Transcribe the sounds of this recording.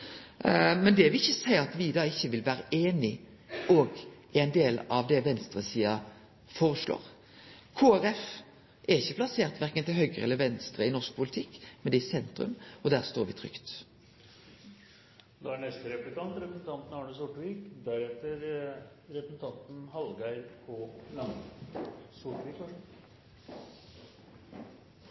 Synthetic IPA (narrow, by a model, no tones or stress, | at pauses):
mɛnd̪ɛæɾʋɪlɪçːəsæɪəɑt̪ʋɪd̪ɑːɪçːəʋɪlʋæːɾəʔeːnɪ | ʔɔɡʔɛɪnd̪eːlɑʋd̪ɛʋɛnst̪ɾəsiːɑ | foːʁəʂlo̰ːɾ | kʰoːæɾɛf | ʔæɾɪçːəpʰlɑseːʁt̪ʋæɾkənt̪ɪlɦœʏɡʁəɛlːəɾʋɛnst̪ɾəɪnɔsk̚pʰʊlɪt̪ʰɪkːmɛnd̪ɛɪsɛnt̪ɾʉ̰mɔd̪æʁst̪oːɾʋɪ̰t̪ʰʁʏ̰kt̪ | d̪ɑæɳɛst̪əɾɛplɪk̪ɑnt̪ɾɛpɾəsn̩t̪ʰɑnt̪n̩ɑɳəsʊʈʋiːkd̪æɾɛt̪əɾ | ɾɛpəsn̩t̪ʰɑnt̪n̩hɑlɡæɪɾkʰoːlɑn | sʊʈʋiːkɑ